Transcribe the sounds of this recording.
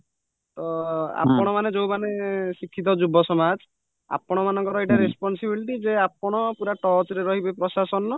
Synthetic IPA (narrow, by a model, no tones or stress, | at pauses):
tɔa̰pɔɽ̃ɔmaned͡ʒowmanesikʰːit̪̬ɔd͡ʒubʱɔsɔmad͡ʒ | a̰pɔɽ̃ɔmanɔŋkɔɾɔeʈaɾespɔnsibiliʈid͡ʒeap̚ɔɽ̃ɔpuɾaʈɔt͡ʃɾeɾɔɦibepɾɔsasɔnɔ